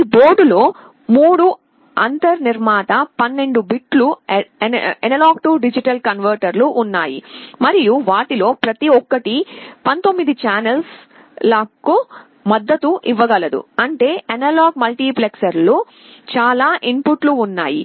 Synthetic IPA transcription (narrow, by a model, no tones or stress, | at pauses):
ibo̞ːɾɖulo̞ː | muːɽu | ɐ̰nt̪ɐɾniɾmaːt̪ɐpɐnːe̞ɳɖubiʈlu | ɐnɐlaːɡ̚ʈuɖid͡ʒiʈɐlkɐnʋɐɾʈɐɾluʔːnːaːjḭmɐɾijuʋaːʈilo̞ːpɾɐt̪iɔkːɐʈipɐnt̪o̞mːid̪it͡ʃaːnɐls | lɐku | mɐd̪ːɐt̪uʔiʋːɐɡɐlɐd̪ṵɐɳʈe̞ːʔɐnɐlaːɡ̚mɐlʈiːpleksɐɾlu | t͡ʃaːlaːʔimpuʈluːnːaːjḭ